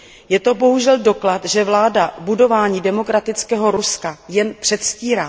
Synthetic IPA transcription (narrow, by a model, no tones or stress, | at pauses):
jɛt̪o̞bo̞ɦuʒɛldo̞klat̪ʒɛvlaːdabudo̞vaːɲiːdɛmo̞kɾat̪ɪt͡skɛːɦo̞ɾuskajɛnpr̝̥ɛt̪sciːɾaː